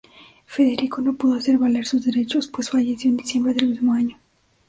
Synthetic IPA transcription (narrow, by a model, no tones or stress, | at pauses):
feðeɾikonopuðoaseɾβaleɾsuzd̪eɾet͡ʃospwesfaʎesiẽnd̪isẽmbɾaðɾeβuðumaɲo